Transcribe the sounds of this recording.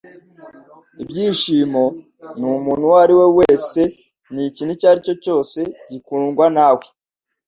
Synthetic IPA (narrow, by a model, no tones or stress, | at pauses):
ibɟiːʃiːmo̞ | numuːnhuwaɾiwe̞we̞ːse̞ | nicinicaɾico̞co̞ːse̞ɟikuŋɡwanaːwe